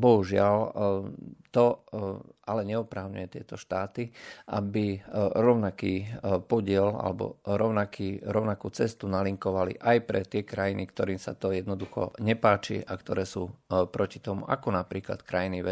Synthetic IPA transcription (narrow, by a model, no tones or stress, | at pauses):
bɔɦuʒɪal | t̪ɔ | alɛɲɛɔpɾaʊɲṵjɛt̪ɪɛt̪ɔʃt̪aːt̪iʔa̰biɾɔʊnakiːpɔɟɪɛla̰lɛbɔ̰ɾɔʊnakʰiːɾɔʊnakuːt͡sɛst̪unaliŋkɔʋalḭʔajpɾɛt̪ɪɛkɾajinikt̪ɔɾiːmsa̰t̪ɔjɛd̪nɔd̪uxɔ̰ɲɛpaːt͡ʃḭʔakt̪ɔɾɛːsuːpɾɔcit̪ɔmṵʔa̰kɔnapɾiːkla̰t̪kɾajiniʋɛ